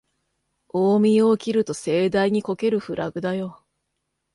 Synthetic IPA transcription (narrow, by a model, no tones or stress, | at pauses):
oːmʲio̞kʲiɾɯ̟t̪o̞se̞ːd̪aiɲ̟iko̞ke̞ɾɯ̟ɸɯ̟ɾʔaɡɯ̟d̪ajo̞